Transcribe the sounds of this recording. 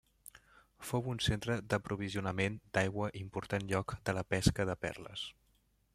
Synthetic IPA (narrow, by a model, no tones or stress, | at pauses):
fowunsent̪ɾəd̪əpɾuβ̞iziunəmend̪ajɣwəʔimpuɾt̪anʎɔkd̪ələpɛskəðəpɛ̰rlə̰s